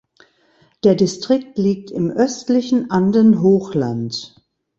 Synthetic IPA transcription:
d̥eːɐdɪstʁ̥ɪk̚tliːk̚tɪmʔœstlɪçn̩ʔandənɦoːxlant

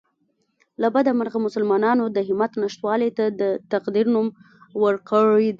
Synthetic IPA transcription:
labad̪amaɾɣamʊsalmɑnɑnod̪əɦɪmat̪naʃt̪wɑlet̪ad̪ət̪aqd̪iɾnum | wəɾkəɻid̪

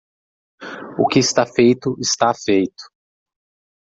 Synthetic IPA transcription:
ʊkɪɪst̪afejt̪ʊʔɪst̪afejt̪ʊ̥

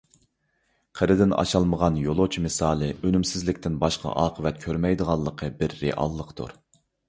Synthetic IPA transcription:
qʰəɾɨd̪ɪnɑ̰ʃɑlˠməʁɑnjolˠot͡ʃʰimɨsɑːlˠɨønymsɪzlɪkʲt̪ɪnbɑʃqɑ̰ʔɑːqʰəvɛt̪̚kʲʰøɾmɛjd̪əʁɑlˠːəqʰəbɪɾːḛʔɑ̰lˠːəqt̪ʰṵɾ

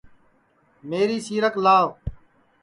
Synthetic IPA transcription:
meːɾiːsiːɾəklaːʋ

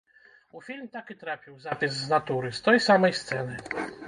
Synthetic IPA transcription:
ufʲilʲmt̪akʲit̪ɾapʲiwzapʲizːnat̪uɾɨst̪ɛjsamɛjst̪sɛnɘ

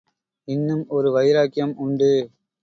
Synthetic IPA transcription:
ɪnːɯmɔɾɯʋɐɪɾaːkɪjɐmʊɳɖɯ

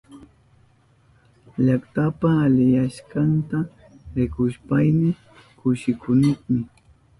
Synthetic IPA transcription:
ʎakt̪apaːlɪjaʃkɑnt̪a | ɾɪkʊʃpajnɪ | kʊʃɪkʊnoχmɪ

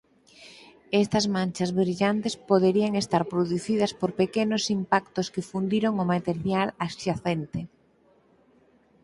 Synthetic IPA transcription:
est̪ɐzmãnt͡ʃɐzβɾiʎant̪espoðeɾiaŋest̪aɾpɾoðuθið̞ɐspoɾpekenosimpakt̪oskɪfund̪iɾoŋomat̪eɾjalasʃaθent̪e

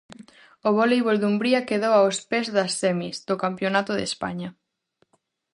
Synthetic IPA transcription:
oβ̞ɔlejβold̪umbɾiakeðowaospezðɐsθemizd̪okampjonat̪oðḛspa̰ɲɐ

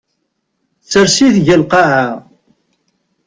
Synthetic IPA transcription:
t͡sːəɾsiθʝəlqɑʕa

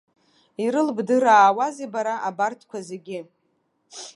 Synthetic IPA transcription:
iɾɨlbdɨɾaːwazebaɾaʔabartʰkʷʰazeɡʲɪ

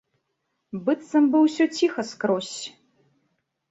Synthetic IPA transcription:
bɨt̪sɐmbɨwsʲɔt͡sʲixɐskɾɔsʲ

